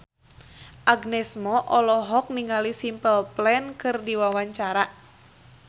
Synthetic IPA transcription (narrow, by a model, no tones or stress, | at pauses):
ʔaɡnɛsmɔʔɔlɔɦɔk̚niŋalisimpəlplɛnkɨrdiwawaɲt͡ʃaɾa